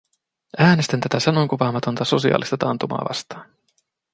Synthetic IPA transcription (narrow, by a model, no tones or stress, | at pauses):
æːnest̪ænt̪æt̪æsɑnoŋkupɑːmɑt̪o̞nt̪ɑso̞siɑ̰ːlist̪ɑt̪ɑːnt̪umɑ̰ːʋɑ̰st̪ɑ̥ːn